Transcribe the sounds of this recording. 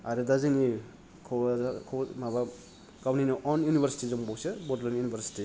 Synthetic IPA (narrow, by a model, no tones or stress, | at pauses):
aɾedaziŋi | kʰɔwakʰɔwmaba | kawninɔʔɔnjunibʱaɾsi̥tizɯmbɔwsebɔdlɔnjunibʰʱaɾsi̥ti